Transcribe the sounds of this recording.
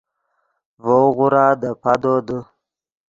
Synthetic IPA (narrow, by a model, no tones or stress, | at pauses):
voɣʊɾad̪əpad̪od̪ə